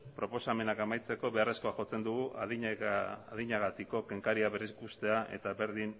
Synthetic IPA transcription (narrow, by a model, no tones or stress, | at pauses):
pɾo̞po̞same̞nakamajt͡se̞ko̞βe̞are̞sko̞aʝo̞t͡se̞nd̪uɣuaðiaðiɲaɣat̪iko̞ke̞ŋkaɾiaβe̞ɾeskust̪e̞aʔe̞̰t̪aβe̞ɾðin